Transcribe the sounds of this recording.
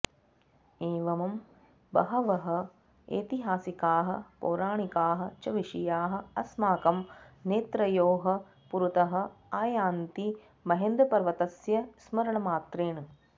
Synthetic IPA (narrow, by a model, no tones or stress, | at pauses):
eːʋɐmɐm | bɐ̰ɦɐʋɐɦɐ̆ | ḛːt̪iɦaːsikaːɦɐ̰poːɾaːɳikaːɦɐ̆t͡ʃɐʋiʂijaːɦɐ̆ɐsmaːkɐmneːt̪ɾɐjoːɦɐ | puɾut̪ɐɦɐ̆aːjaːnt̪i | mɐɦend̪ɾɐpɐɾʋɐt̪ɐsjɐsmɐɾɐɳɐmaːt̪ɾeːnɐ